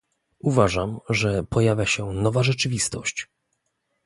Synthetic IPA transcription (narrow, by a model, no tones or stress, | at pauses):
uvaʐamʐɛpɔjavʲjaɕɛnɔvaʐɛt͡ʂɘvʲist̪ɔɕt͡ɕ